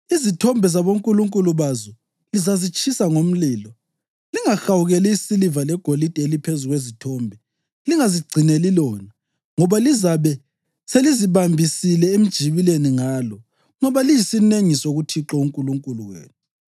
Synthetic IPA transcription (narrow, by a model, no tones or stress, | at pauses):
izitʰɔmbʱɛzaβoŋkʼuluŋkʼuluβazɔ | lizazit͡ʃʼʰisaŋom̩liːlɔ | liŋaxawuɣɛlɛisilivalɛɡ̥ʱolid̥ʼʱɛelipʰezuɣwezitʰɔːmbʱɛ | liŋaziɡ͡ǀʱinelilɔːna | ŋɔβalizaβɛ | seliziβambʱisilɛem̩d̥ʒ̥ʱiβileniŋaːlɔ | ŋɔβalijisineŋisoɣutʰiǁɔuŋkʼuluŋkʼuluɣwḛːnu